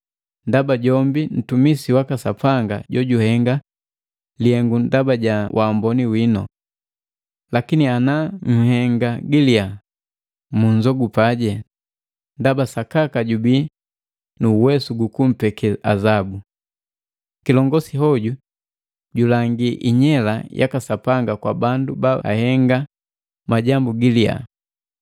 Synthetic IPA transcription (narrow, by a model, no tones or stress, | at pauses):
ndabaɟɔmbin̩tumisiwakasapaŋɡa̰ɟɔɟuhɛŋɡa | liɛŋɡundabaɟawʔambɔniwinɔ̰ | lakinianaŋ̩hɛŋɡaɡilia | muɲzɔɡupaɟɛ | ndabasakakaɟubi | nuːwɛsuɡukum̩pɛkɛʔazabu | kilɔŋɡɔsiɦɔɟu | ɟulaŋɡiʔiɲɛlajʔa̰kasapaŋɡakwa̰bandubaa̰hɛŋɡa | maɟambuɡilia̰